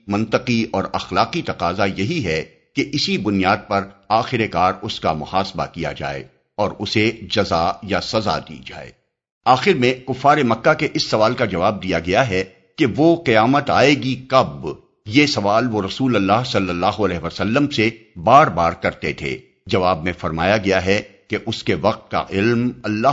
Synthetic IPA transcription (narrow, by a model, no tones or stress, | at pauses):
mɐ̃nt̪əqiɔːɾɐxlaːqit̪ɐqaːzajɐɦiɦɛ | keʔɪsibʊnijaːd̪̚pɐɾaːxɪɾekaːɾʊska̰mʊhaːsba̰kija̰d͡ʒa̰ːḛː | ɔːɾʊsed͡ʒɐzajasɐza̰d̪ḭːd͡ʒa̰ːḛː | aːxɪɾmẽkʊfːaːɾemɐkːakeʔɪsːɐʋaːlkad͡ʒɐʋaːb̚d̪ijaɡɐjaɦɛ | keʋoqijaːmət̪a̰ːeɡikɐb | jesɐʋaːlʋoɾɐsuːlɐlːaːɦsɐlːəlːaːɦoɐlɛːɦʋəsɐlːəmsebaːɾbaːɾkɐɾt̪et̪ʰḛː | d͡ʒɐʋaːbmẽfɐɾmaːjaɡɐjaɦɛkeʔʊskeʋɐq̚t̪̚ka̰ʔɪlmɐlːaː